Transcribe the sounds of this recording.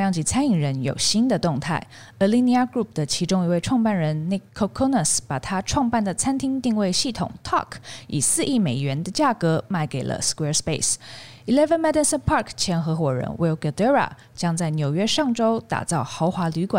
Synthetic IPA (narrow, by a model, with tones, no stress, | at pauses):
jɑ˥˧ŋt͡ɕi˧˩t͡sʰa˥ni˨˩ŋɻə˧˥njo̰˨˩ʊɕi˥nd̪ə˨t̪ʊ˥˧ŋt̪ʰa˥˩ɪ | ə˧˩li˥ni˧˥a˥˧kɹu˥˩p̚d̪̥ə˩t͡ɕʰi˧˥ʈ͡ʂʊ˥ŋi˧˥we˥˧ɪʈ͡ʂʰwɑ˥˧ŋpa˥˩nɻə˧˥nni˧˥kʰo˥˧kʰo˥nə˥˨˩spa˨˩t̪ʰa˥ʈ͡ʂʰwɑ˥˧ŋpa˥˩nd̪ə˩t͡sʰa˥nt̪ʰi˥ŋt̪i˥˧ŋwe˥˧ɪɕi˥˩t̪ʰʊ̰˨˩ŋt̪ʰɑ̰˥˩kʰḭ˨˩sɹ̩˥˧i˥˩me˨˩ɪɥɛ˧˥nd̪ə˧t͡ɕja˥˩kɤ˧˥ma˥˩ɪke˨˩ɪlə̰˦skwɛ˥spe˥˩ɪs | i˨˩lɛ˥və˧˥nmɛ˥d̪ə˥˧nsə˥˧npʰɑ˥˩kʰt͡ɕʰjɛ˧˥nxɤ˧˥xwɔ˨˩ɻə̰˧˥nwe˧˩ɡa˧d̪ə˥ɹa̰˨˩ | t͡ɕjɑ˥ŋt͡sa˥˩ɪnjo˨˩ʊɥɛ˥ʂɑ˥˩ŋʈ͡ʂo˥ʊt̪a̰˨˩t͡sɑ˥˩ʊxɑ˧˥ʊxwa˧˥ly˧˥kwa̰˨˩˦